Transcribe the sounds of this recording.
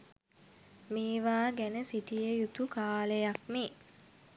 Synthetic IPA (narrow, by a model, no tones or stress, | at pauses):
miːʋaːɡænəsiʈijəjut̪ukaːlejak̚mi